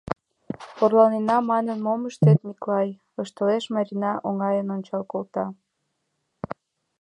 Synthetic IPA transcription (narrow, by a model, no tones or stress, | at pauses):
orlɑlnenɑmɑnənmoməʃt̪et̪miklɑj | əʃt̪əleʃmɑɾʲinɑʔoŋɑjənonʲt͡ɕɑlkolt̪ɑ